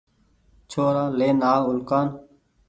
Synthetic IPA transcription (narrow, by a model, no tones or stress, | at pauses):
t͡ʃʰoːɾaːleːnaːʊlkaːn